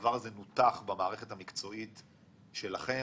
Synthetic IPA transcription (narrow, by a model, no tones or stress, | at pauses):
vaʁzenutaχbamaːʁe̞χe̞tamikt͡so̞it | ʃe̞laχe̞